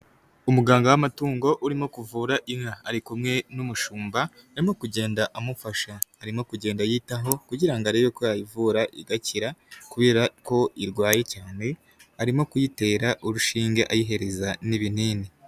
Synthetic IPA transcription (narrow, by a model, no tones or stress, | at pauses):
umuɡaːŋɡawamatuːŋɡo̞ʔuɾimo̞kuvuːɾaʔimhaaɾikumŋe̞numuʃuːmba | aɾimo̞kuɟe̞ːndaʔamufaʃaːɾimo̞kuɟeːndajiːtaɦo̞kuɟiɾaŋɡaɾeβokojajivuɾaʔiɡaciɾakuβe̞ːɾako̞iɾɡwaːje̞caːne̞ | aɾimo̞kujite̞ːɾaʔuɾuʃiːŋɡeʔajiɦe̞ɾe̞zaniβin̥iːni